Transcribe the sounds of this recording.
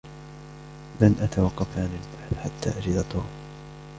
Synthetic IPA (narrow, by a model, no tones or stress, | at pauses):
lanʔat̪awɑqːɑfaːnilbaħθħat̪ːa̰ːʔad͡ʒɪd̪at̪ˤʊ